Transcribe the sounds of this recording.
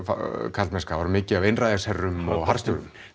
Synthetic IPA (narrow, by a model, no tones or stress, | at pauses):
fkʰalt̪mɛskavaɾmɪːcɪavejnrajðashɛrːʏmɔɣɦar̥st̪ʏɾʏm